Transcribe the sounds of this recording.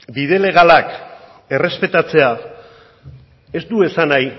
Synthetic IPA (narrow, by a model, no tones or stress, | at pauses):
bið̞e̞le̞ɣ̞alak | e̞re̞spe̞t̪at͡se̞a | e̞zt̪ue̞sanaj